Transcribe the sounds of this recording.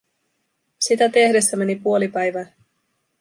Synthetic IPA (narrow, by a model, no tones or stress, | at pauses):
sit̪æt̪e̞hde̞sːæme̞nipuo̞lipæjʋæː